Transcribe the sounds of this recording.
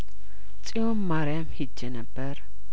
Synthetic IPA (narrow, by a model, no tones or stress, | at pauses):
t͡sʼijomːaɾjamhid͡ʒːɛnəbːəɾ